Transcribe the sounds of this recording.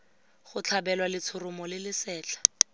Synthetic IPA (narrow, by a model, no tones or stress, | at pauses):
χʊt͡ɬʰabɛlwalɪt͡sʰʊrʊmɔlɪlɪsɛːt͡ɬʰḁ